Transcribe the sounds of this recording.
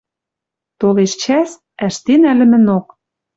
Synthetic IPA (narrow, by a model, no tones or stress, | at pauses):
t̪oleʃt͡ɕæs | æʃt̪enælɘ̆mɘ̆nok